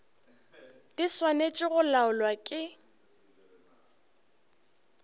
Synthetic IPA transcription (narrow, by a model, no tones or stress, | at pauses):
d̥iswanet͡ʃʼɪɣʊlaʊlwakʼɪ